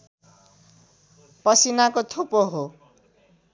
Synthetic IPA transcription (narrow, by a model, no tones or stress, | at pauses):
pʌsinakot̪ʰupoɦo